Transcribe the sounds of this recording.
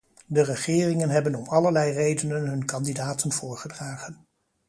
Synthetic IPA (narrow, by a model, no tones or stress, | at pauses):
dərəχɪːrɪŋənɦɛbənɔmɑləɹlɛjrejdənənɦɵnkɑndidaːtənvʊːɹχədraːχən